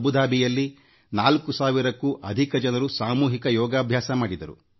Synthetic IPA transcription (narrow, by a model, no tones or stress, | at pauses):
bud̪aːbʱijɐlːi | naːlkusaːʋiɾɐkːuːʔɐd̪ʱikɐd͡ʒɐnɐɾusaːmuːɦikɐjɔːɡaːbʱjaːsɐmaːɽid̪ɐɾṵ